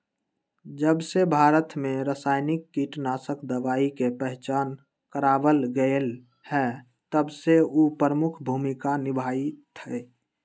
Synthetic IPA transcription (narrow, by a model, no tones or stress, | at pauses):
d͡ʒəbsebʱaːɾət̪mẽɾəsaːɪnɪkːiʈnasəkd̪əʋaːikepəɦt͡ʃaːn | kəɾaːbəlɡəel | hɛ | t̪əbseupəɾəmʊkʰbʱuːmikanɪbʱaːit̪ʰɛe